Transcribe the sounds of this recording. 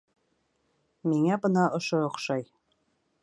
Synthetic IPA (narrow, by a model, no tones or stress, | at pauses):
miŋæbɤnɑʔŏʃoŏqʃɑj